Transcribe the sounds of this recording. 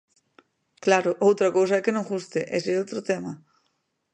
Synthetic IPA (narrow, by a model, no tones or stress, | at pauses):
klaɾʊʔowt̪ɾɐkowsɐɛkɪnõŋɣust̪ɪʔɛ̰seowt̪ɾʊt̪ɛmɐ